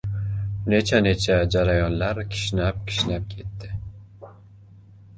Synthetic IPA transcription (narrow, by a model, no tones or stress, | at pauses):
ne̞t͡ʃʰane̞t͡ʃʰad͡ʒaɾajɒnlaɾkʲʰɪ̥ʃnap̚kʲʰɪ̥ʃnap̚kʲʰe̞t̪ːɪ